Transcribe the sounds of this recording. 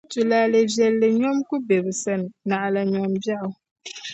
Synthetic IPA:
tu˨la˨lɨ˨vjɛ˨lːɨ˨ɲɔ˦mku˦be˨bɨ˨sa˦n˨na˨ʔa˨la˨ɲɔ˨mbja˦ʔʊ˨

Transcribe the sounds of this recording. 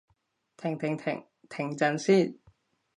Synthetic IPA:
t̪ʰɪ˨˩ŋt̪ʰɪ˨˩ŋ̰ʰ˨˩ŋ | t̪ʰɪ˨˩ŋt͡sɐ˧nsiː˥˩˨

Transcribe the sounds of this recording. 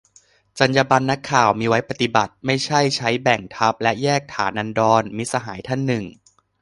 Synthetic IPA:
t͡ɕa˧njaː˧ba˧nːa˦˥kʰːaː˨˩wmiː˧wa˦˥jpa˧˩t̪i˨˩ba˨˩t̪̚ma˥˩jt͡ɕʰa˥˩jt͡ɕʰa˦˥jbɛ˨˩ŋt̪ʰa˦˥p̚lɛ˦˥ʔjɛː˥˩k̚t̪ʰaː˩˦nːʔa˧ndɔː˧nmi˦˧sa˧ɦaː˩˦jt̪ʰa˥˩nːɯ˨˩ŋ

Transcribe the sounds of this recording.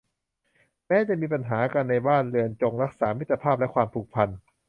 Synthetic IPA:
mɛː˦˥t͡ɕa˨˩miː˧pa˧nɦaː˩˦ka˧nːa˧jbaː˥˩nlɯ˧ənt͡ɕo˧ŋɾa˦˥k̚saː˩˦mi˦˥t̪ːa˧pʰaː˥˩p̚lɛ˦˥kʰwaː˧mpʰuː˨˩k̚pʰa˧n

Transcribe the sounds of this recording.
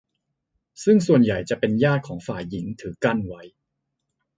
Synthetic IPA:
sɯ˥˩ŋsu˨˩ənja˨˩jt͡ɕa˨˩ʔpe˧njaː˥˩t̪̚kʰɔː˩˦ŋfaː˨˩jːi˩˦ŋt̪ʰɯː˩˦ka˥˩nwa˦˥j

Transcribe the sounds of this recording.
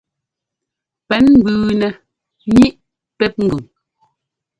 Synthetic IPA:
pɛ˨˦nm̩˦bʉː˨nɛ˨ | ɲi˦ʔ | pɛ˦t̚ŋ̩˨ɡʉ˨ŋ

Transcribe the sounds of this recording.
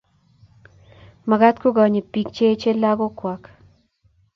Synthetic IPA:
ma˨ɡa˦t̪ko˦ɡɔ˨ɲe˨pi˨kt͡ʃe˦t͡ʃe˦la˦ɡo˦kwa˨k

